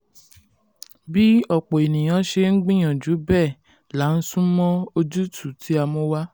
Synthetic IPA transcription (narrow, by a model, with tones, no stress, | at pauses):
bi˦ɔ˦˨k͡po˨e˨nĩ˨j̃ã˨˧˦ʃe˧ŋ̩˦ɡ͡bĩ˦j̃ã˨d͡ʒu˨˦bɛː˦˨ | la˨˦n̩˦sũ˦mɔ̃˦o˧d͡ʒu˦tʰu˦˨tʰi˨˦a˧mɔ̃˧˦wa˦